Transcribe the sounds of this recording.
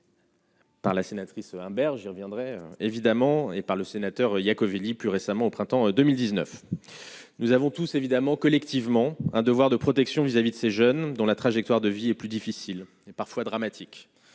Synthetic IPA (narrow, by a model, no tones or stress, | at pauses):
paʁlasenat̪χisɛ̃bɛʁʒiʁvjɛ̃d̪ʁɛøevid̪amɑ̃epaʁləsenat̪œʁjakɔviliplyʁesamɑ̃opχɛ̃t̪ɑ̃d̪əmild̪iznœf | nuzavɔ̃t̪usevid̪amɑ̃kɔlɛkt̪ivmɑ̃ɛ̃d̪əvwaʁd̪əpχɔt̪ɛksjɔ̃vizavid̪əseʒœnd̪ɔ̃lat̪χaʒɛk̚t̪waʁd̪əviɛplyd̪ifisil | epaʁfwad̪ʁamat̪ʰikʲ